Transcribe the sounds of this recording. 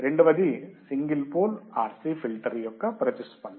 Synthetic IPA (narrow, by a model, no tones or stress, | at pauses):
ɾeɳɖuʋɐd̪isiŋɡilpoːlaːɾsifilʈɐɾijokːɐpɾɐt̪ːispɐɳː